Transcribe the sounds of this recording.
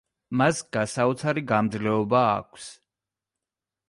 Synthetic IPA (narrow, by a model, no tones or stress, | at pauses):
masɡ̥asaut̪sʰaɾiɡamd̪zlɛɔba̰ːkʷʰs